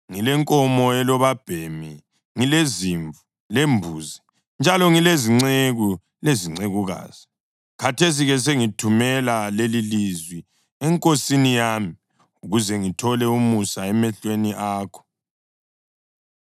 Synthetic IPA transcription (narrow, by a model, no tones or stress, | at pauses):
ŋilɛŋkʼɔmɔɛlɔβab̥ʱemi | ŋileziɱvu | lembʱuːzi | nd͡ʒʱalɔŋileziŋ͡ǀeɣu | leziŋ͡ǀeɣuɣa̰ːz̥i | katʰes̬iɣɛs̬eŋitʰumɛlalelilizwi | ɛŋkʼosinijaːmi | uɣuzɛŋitʰɔlɛumusaɛmɛɬweniʔaːkʰɔ̥